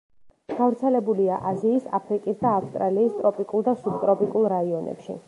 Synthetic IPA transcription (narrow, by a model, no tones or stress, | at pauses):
ɡ̥avɾt̪sʰɛlɛbuliaʔaziːsa̰pʰɾikʼisd̪aːfst̪ʼɾaliːst̪ʼɾɔpʼikʼulˠd̪asubt̪ʼɾɔpʼikʼulˠɾaiɔnʔɛ̰pʃḭ